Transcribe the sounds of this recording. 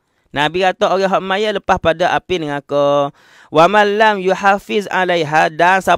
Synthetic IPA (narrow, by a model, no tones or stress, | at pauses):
nabikat̪ooɡɛɦɔʔmajaləpahpadaʔapinəŋakə | wamanlamjuħafiza̰lajɦadansa